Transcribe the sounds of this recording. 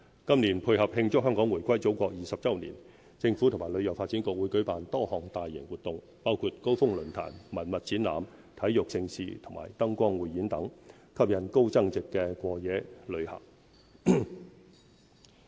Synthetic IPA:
kɐ˥mniː˨˩npʰuː˧jhɐ˨p̚hɪ˧ŋt͡sʊ˥kɦœː˥ŋkɔː˨˥ŋwuː˨˩jkʷɐ˥jt͡so˨˥wkʷɔː˧k̚jiː˨sɐ˨p̚t͡sɐ˥wnḭ˨˩n | t͡sɪ˧ŋfuː˨˥tʰʊ˨˩ŋmaː˨˩lɵ˨˧ɥjɐ˨˩wfaː˧t̚t͡siː˨˥nkʊ˧k̚wuː˨˥jkɵ˨˥ɥpaː˨nt̪ɔː˥hɔː˨ŋt̪aː˨jːɪ̰˨˩ŋwu˨t̚t̪ʊ˨ŋ | paː˥wkʰuː˧t̚ko˥wfʊ˥ŋlɵ˨˩nt̪ʰa̰ː˨˩nmɐ˨˩nmɐ˨t̚t͡siː˨˥nla̰ː˨m | t̪ʰɐ˨˥jjʊ˨k̚t͡sɪ˧ŋsḭː˨t̪ʰʊ˨˩ma̰ː˨˩jt̪ɐ˥ŋkʷɔː˥ŋwuː˨˩jːiː˨˥nt̪ɐ˨˥ŋ | kʰɐ˥p̚jɐ˨˩nko˥wt͡sɐ˥ŋt͡sɪ˨kːɛː˧kʷɔː˧jɛː˨˥lɵ˨˧ɥhɐ̰˨˩k̚

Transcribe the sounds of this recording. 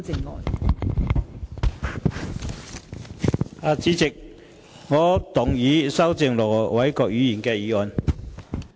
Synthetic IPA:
t͡sɪ˨˧ŋlɔ̰ː˨n | aː˨˧t͡siː˨˥t͡sɪ˨k̚ | ŋɔː˨˧t̪ʊ˨˩ŋjiː˨˥sɐ˥wt͡sɪ˨ŋlɔː˨˩wɐ˨˥jkɔː˧k̚ɥyː˨˥jiː˨˩nkɛː˧jiː˨ɔː˨˩n

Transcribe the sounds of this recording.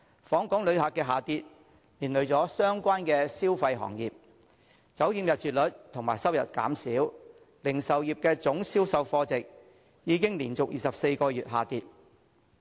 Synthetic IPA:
fɔː˨˥ŋkɔː˨˥ŋlɵ˨˧ɥhaː˨˩k̚ɛː˧ɦaː˨˩t̪iː˧t̚ | liː˨˩nlɵ˨˧ɥt͡sɔː˨˥sœː˥ŋkʷaː˥nkɛː˧siː˥wfɐ˧jɦɔ̰˨˩ŋjiː˨p̚ | t͡sɐ˨˥wjiː˨˧mjɐ˨t̚t͡ʃyː˨t̚lɵ˨˥t̚t̪ʰʊ˨˩ŋmaː˨˩jsɐ˥wjɐ̰˨˩t̚ka̰ː˨˥msiː˨˥w | lɪ˨˩ŋsɐ˨wjiː˨p̚kɛː˧t͡sʊ˨˥ŋsiː˥wsɐ˧wfɔː˧t͡sɪ˨k̚ | jiː˨˧kɪ˥ŋliː˨˩nt͡sʊ˨k̚jiː˨sɐ˨p̚se˧jkɔː˧jyː˨t̚ɦaː˨˩t̪iː˧t̚

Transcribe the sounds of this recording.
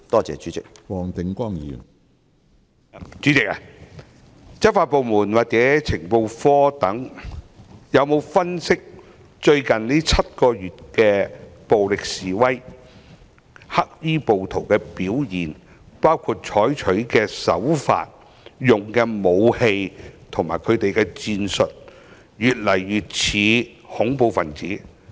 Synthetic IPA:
t̪ɔː˥t͡sɛ̰ː˨˧t͡ʃyː˨˦t͡sɪ˨k̚wɔː˨ŋt̪ɪ˨ŋkʷɔː˥˩ŋjḭː˨n | t͡ʃy˨˥t͡sɪ˨k̚a˨ | t͡sɐ˥t̚faː˧t̚po˨˧wmuː˨˩nwaː˨k̚t͡sɛː˨˥t͡sʰɪ˨˩ŋpo˧wfɔː˥t̪ɐ˨˥ŋ | jɐ˨˧wmo˨˧wfɐ˥nsɪ˥k̚ | t͡ʃɵ˧ɥkɐ˨nliː˥t͡sʰɐ˥t̚kɔː˧jyː˨t̚kɛː˧po˨wlɪ˨k̚siː˨˩wɐ˥j | hɐ˥k̚jiː˥po˨wt̪ʰo˨˩wkɛː˧piː˨˥wjiː˨˩n | paː˥wkʰu˧t̚t͡ʃʰɔː˨˥jt͡ʃʰɵ˨˥ɥkɛː˧sɐ̰˨˥wfa̰ː˧t̚ | jʊ˨ŋkɛː˧mo˨˧whe˧jt̪ʰʊ˨˩ŋmaː˨˩jkʰɵ˨˧ɥt̪e˨jkɛː˧t͡siː˧nsɵ˨t̚ | jyː˨t̚lɐ˨˩jɥyː˨t̚t͡sʰiː˨˧hʊ˨˥ŋpo˨˧wfɐ˨nt͡siː˨˥

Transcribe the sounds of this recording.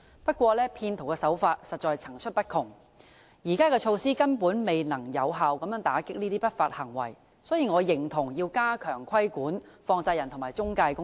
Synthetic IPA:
pɐ˥t̚kʷɔː˧lɛː˥pʰiː˧nt̪ʰʊ˨˩wkɛ˧sɐ˨˥wfaː˧t̚sɐ˨t̚t͡ʃɔː˨˧jt͡sʰɐ˨˩ŋt͡ʃʰɵ˥t̚pɐ˥t̚kʰʊ˨˩ŋ | jiː˨˩kaː˥kɛː˧t͡ʃʰo˧wsiː˥kɐ˥npuː˨˥nme˨jnɐ˨˩ŋjɐ˨˧wɦaː˨wkɐ˨mjœː˨˥ŋt̪aː˨˥kɪ˥k̚niː˥t̪iː˥pɐ˥t̚faː˧t̚hɐ˨˩ŋwɐ̰˨˩j | sɔː˨˥jiː˨ŋɔː˨˧jɪ˨˩ŋt̪ʰʊ˨˩ŋjiː˧wkaː˥kʰœː˨˩ŋkʰɐ˥jkuː˨˥nfɔː˧ŋt͡sɐ˧jɐ˨˩nt̪ʰʊ˨˩ŋmaː˨jt͡sʊ˥ŋkaː˧jkʊ˥

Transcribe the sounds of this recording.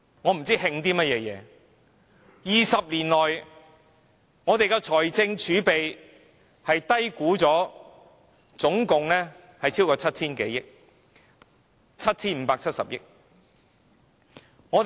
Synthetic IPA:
ŋɔː˨˧m̩˨˩t͡siː˥hɪ˧ŋt̪̬iː˥mɐ˥t̚jɛː˨˧jɛ̰ː˨˧ | jiː˨˩sɐ˨p̚liː˨˩nlɔː˨j | ŋɔː˨˧t̪e˨jkɛ˧t͡ʃʰɔː˨˩jt͡sɪ˧ŋt͡ʃʰyː˨˥pe˨j | hɐ˨jt̪ɐ˥jkuː˨˥t͡sɔː˨˥ | t͡sʊ˨˥ŋkʊ˨ŋlɛː˥ | hɐ˨jt͡sʰi˥wkɔː˧t͡sʰɐ˥t̚t͡sʰiː˥nke˨˥jɪ˥k̚ | t͡sʰɐ˥t̚t͡sʰiː˥nm̩˨˧paː˧k̚t͡sʰɐ˥t̚sɐ̰˨p̚jɪ̰˥k̚ | ŋɔː˨˧t̪

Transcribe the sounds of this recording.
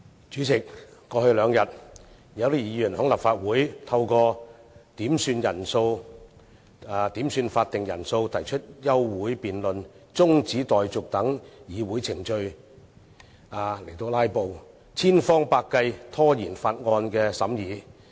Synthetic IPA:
t͡ʃyː˨˥t͡sʰɪ˨k̚ːɔː˧hɵ˧lœː˨˧ŋjɐ˨t̚ | jɐ˨˧wt̪i˥jiː˨˧˥jyː˨˩nhʊ˨˥ŋlaː˨p̚faː˧t̚wuː˨˥jt̪ʰɐ˧wkɔː˧t̪iː˨˥msyː˧njɐ˨˩nso˧w | aː˨˧t̪iː˨˥msyː˧nfaː˧t̚t̪ɪ˨ŋjɐ̰˨˩nso˧wt̪ʰɐ˨˩jt͡ʃʰɵ˥t̚jɐ˥wːuː˨˥jpiː˨nlɵ˨nt͡sʊ˥ŋt͡siː˨˥t̪ɔː˨jt͡sʊ˨k̚t̪ɐ˨˥ŋjiː˨˧wuː˨˥jt͡sʰɪ˨˩ŋt͡ʃɵ˧ɥ | aː˨le˨˩jt̪o˧wlaː˥jpo˨˧w | t͡sʰiː˥nfɔː˥ŋpaː˧kːɐ˧jt̪ʰɔː˥jiː˨˩nfaː˧t̚ŋɔː˧nkɛː˧sɐ˨˥mjiː˨˧

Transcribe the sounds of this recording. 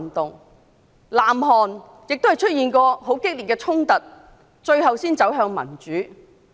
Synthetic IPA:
nt̪ʊ˨ŋ | laː˨˩mɦɔː˨˩n | jɪ˨k̚t̪o˥hjt͡ʃʰɵ˥t̚jiː˨˩nkɔː˧ɦo˨˥wkɪ˥k̚liː˨˩t̚kɛ˧t͡ʃʰʊ˥ŋt̪ɐ˨˩t̚ | t͡ʃɵ˧ɥɦɐ˨wsiː˥nt͡sɐ˨˥wɦœː˧ŋmɐ̰˨˩nt͡ʃyː˨˥

